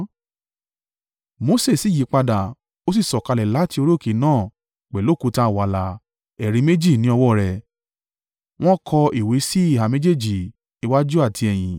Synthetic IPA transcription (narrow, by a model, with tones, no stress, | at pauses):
mo˧˦se˦˨si˨ji˨˦k͡pa˧da˨ | o˦s̬i˦˨sɔ˨ka˧lɛ˨la˨˦ti˦o˧ɾo˦˨ke˨˦nãː˦˨ | k͡pɛ˨lo˨˦˨ku˨˧ta˧˨wa˨la˨ | ɛ˨ɾe˨˧˦me˦d͡ʒi˦˨nĩ˨˦ɔ˧wɔ˦˨ɾɛ˨ | w̃ɔ̃˦kʰɔ˧i˨we˨˦si˦i˦˨ɦa˨me˦d͡ʒe˦˨d͡ʒi˨ | i˧wa˦d͡ʒu˦a˦˨tʰi˧ɛ˨j̃ĩ˨